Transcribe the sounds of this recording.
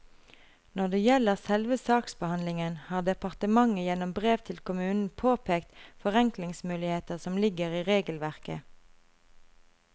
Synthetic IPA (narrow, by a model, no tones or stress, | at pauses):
nɔʁd̪eːjɛləʁsɛlʋəsɑːksbəhɑnlɪŋənhɑːʁd̪ɛpɑʁt̪əmɑŋəjɛnɔmbʁeːʋt̪ʰɪlkʊmʉːnn̩pʰoːpʰeːkt̪fɔʁɛŋklɪŋsmʉːlɪheːt̪əʁsɔmlɪɡəʁiːʁeːɡəlʋæʁkə̰